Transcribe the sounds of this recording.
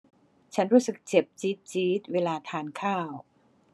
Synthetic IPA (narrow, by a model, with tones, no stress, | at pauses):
t͡ɕʰa˦˥nɾuː˦˥sɯ˨˩k̚t͡ɕe˨˩p̚t͡ɕiː˦˥t̪̚t͡ɕiː˦˥t̪̚weː˧laː˧t̪ʰaː˧nkʰaː˥˩w